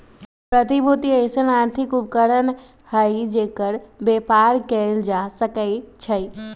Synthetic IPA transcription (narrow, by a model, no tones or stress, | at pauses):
pɾət̪ibʱut̪iəɪsənaɾt̪ʰikupkəɾən | həjd͡ʒeːkəɾbepaɾkeld͡ʒasəkəɪt͡ʃʰəj